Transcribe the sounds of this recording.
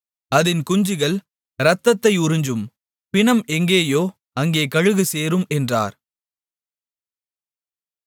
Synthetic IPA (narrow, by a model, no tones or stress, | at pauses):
ɐðɪnkʊɲd͡ʒɪɣɐɭ | ɾɐt̪ːɐt̪ːɐɪʊɾɪɲd͡ʒɯm | pɪɳɐmɛŋɡeːjoː | ɐŋɡeːkɐɻɯɣɯseːɾɯmɛndra̰ːɾ